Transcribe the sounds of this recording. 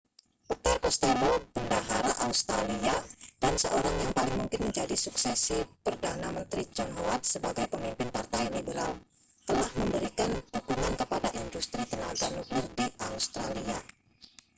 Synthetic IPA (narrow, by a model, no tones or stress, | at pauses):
put̪ərkɔst̪elopəndaɦaɾaʔaust̪ɾaliad̥ansəʔoɾaŋjaŋpalɪŋmuŋkɪnməɲd͡ʒadisuksɛsipərdanamənt̪ɾid͡ʒɔnɦowat̪̚səbaɡajpəmimpɪnpart̪ajlibəɾa̰l | t̪əlahməmbəɾikandukuŋankəpadaʔindust̪ɾit̪ənaɡanuklɪrdiʔaust̪ɾalia